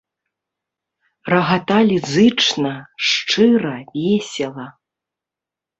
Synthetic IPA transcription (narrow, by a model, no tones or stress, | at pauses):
rɐɣat̪alʲizɨt͡ʂnɐʂt͡ʂɨɾɐvʲɛsʲɛlˠɐ